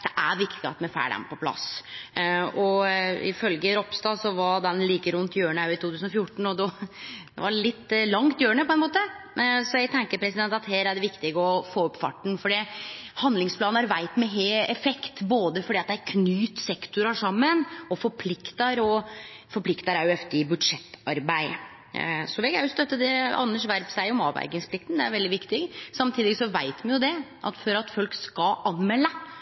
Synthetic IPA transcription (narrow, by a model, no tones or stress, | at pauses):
d̪̥ɛʔæɾʋɪkt̪ɪɡəɑ̰t̪mɛfæ̰ːɖɛ̰npʰɔpʰlɑ̰s | ɔɪ̰fœlɡəɾɔpst̪ɑːsɔʋɑd̪ɛnliːkəɾʉnt̪jøːəɳəɑʉɪt̪ʰuːt̪ʰʉːsnɔfjʊʈɳ̩ɔd̪ɔd̪ɛ̰ʋɑɾɭɪt̪ːlɑŋt̪jøːɾəɳəpʰɔɛnmoːt̪ə | sɔjæɡt̪ʰɛŋkəɾpʰɾɛsɪd̪ɛnt̪ɑt̪heːɾæɖɛʋɪkt̪ɪɡəɔfoːɔpːfɑ̰ʈːɳ̩fɔɖihɑnd̪lɪŋspʰlɑːnnæɾʋæɪt̪mɛɦeɛfɛkt̪boːd̪əfɔɾɖiːɑt̪̚d̪ææɾkʰnyːt̪sɛkt̪ʊɾɑʂɑmːənɔfɔɾpʰlɪkt̪əɾɔ | fɔɾpʰlɪkt̪əɾæɾjʊœft̪əɪbʉd̪ʂɛt̪ːɑɾbæɪ | sɔʋɛɡæɾjʊst̪œt̪ːəd̪ɛɑ̰nːəʂʋæɾpsæɪɔmɑ̰ːʋæ̰ɪɡɪŋspʰlɪkt̪n̩d̪ɛæ̰ɾʋɛld̪ɪʋɪkt̪ɪɡsɑmt̪ʰiːd̪ɪsɔʋæɪt̪mɛnjʊd̪ɛʔɑ̰t̪fɔɾɑt̪fɔlkskɑʔɑnmɛlːə